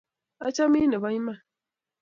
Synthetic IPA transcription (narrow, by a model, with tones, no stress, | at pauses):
a˦t͡ʃa˦mĩ˦ne˨ba˦ɲĩ˦mã˦˨